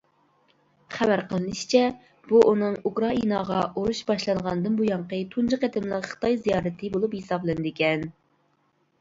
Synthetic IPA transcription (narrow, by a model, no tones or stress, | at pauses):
χæbæɾqʰəlˠɨnɨʃt͡ʃʰɛ | b̥uʔunɨŋukɾɑinɑʁɑoɾuʃbɑʃlˠɑnʁɑnɨd̪ɨnbujɑɴqət̪ʰund͡ʒɨqæt̪ʰɪmlˠəqχə̥t̪ʰɑjzijɑːɾɨt̪ʰɨbolˠuphisɑblˠɨnɨd̪ɪkʲɛn